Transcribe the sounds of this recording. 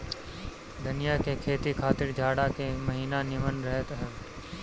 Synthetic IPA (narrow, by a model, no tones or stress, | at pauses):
d̪ɐnɪjakekʰeːt̪ikʰaːt̪ɪɾd͡ʒʱaːɽakemɐɦiːnanɪmənɾɛɦt̪ɦɛː